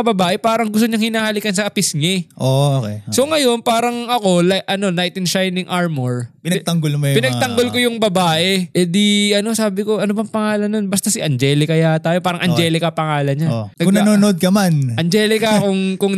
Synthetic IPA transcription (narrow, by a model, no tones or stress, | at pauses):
ɐbɐbaːʔɛpaːɾɐŋɡʊst̪oɲɐŋhɪnaːhɐlikɐnsɐɐpɪsɲɪʔookeso̞ŋɐjo̞npaːɾɐŋɐko̞laʔɐno̞najt̪ɪnʃajnɪŋʔaɹmoɹpɪɐt̪ɐŋɡolmɐjpɪnɐɡ̚t̪ɐŋɡolkojʊŋbɐbaːʔɛʔɛd̪iʔɐno̞saːbɪko̞ʔɐnobɐŋpɐŋaːlɐnːonbɐst̪ɐsɪʔɐnd͡ʒɛːlɪkɐjat̪aːjopaːɾɐŋʔɐnd͡ʒɛːlɪkɐpɐŋaːlɐɲanɐɡʊŋɐnoːnoʔod̪̚kɐmanʔɐnd͡ʒɛːlɪkɐkʊŋkʊŋ